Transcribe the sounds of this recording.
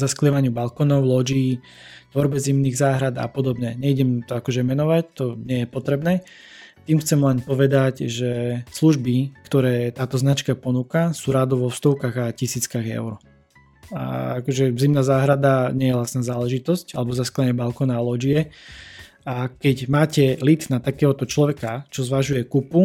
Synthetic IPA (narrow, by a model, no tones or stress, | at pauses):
zaskliʋaɲɪubalkɔnɔʊlɔd͡ʒiː | t̪ʋɔɾbɛzimniːɣzaːɦɾad̪a̰pɔd̪ɔbɲɛɲɛiɟɛmt̪ɔakɔʒɛmɛnɔʋac̚t̪ɔɲɪɛjɛpɔt̪ɾɛbnɛː | t̪iːmxt͡sɛmlɛnpɔʋɛd̪acʒɛsluʒbikt̪ɔɾɛːt̪aːt̪ɔznat͡ʃkapɔnuːkasuːɾad̪ɔʋɔfst̪ɔʊkaːɣacisiːt͡skaɣɛ̰ʊɾ | a̰akɔʒɛzimnaːzaːɦɾad̪aɲɛjɛlasnaːzaːlɛʒit̪ɔscalɛbɔzasklaɲɛbalkɔnalɔd͡ʒiɛ | akɛɟmaːcɛlit̪nat̪akɛːɦɔt̪ɔt͡ʃlɔʋɛkat͡ʃɔzʋaʒujɛkupu